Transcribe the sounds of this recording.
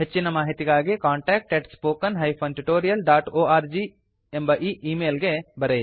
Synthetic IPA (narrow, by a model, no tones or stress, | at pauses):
ɦɐt͡ʃːɪnɐmaːɦit̪ikaːɡekãːɳʈɛːk̚ʈɛːʈspoːkɐnɦɐjpʰɐ̃nʈuʈoːɾijɐlɖaːʈoːaːɾd͡ʒiː | ẽmbɐʔiːiːmeːlɡebɐɾeː